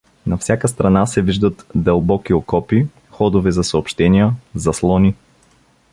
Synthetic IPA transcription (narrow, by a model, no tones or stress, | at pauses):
nɐfsʲjakəst̪ɾɐnasɛviʒd̪ət̪d̪ɐlˠbɔkiokɔpi | xɔd̪ʊvɛzɐsɐopʃt̪ɛnijəzɐslˠɔni